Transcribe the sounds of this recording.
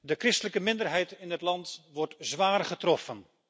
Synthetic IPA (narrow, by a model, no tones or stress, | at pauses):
dəkrɪstələkəmɪndərɦɛjtɪndətlɑntʋɔɹtzʋaːrχətrɔfən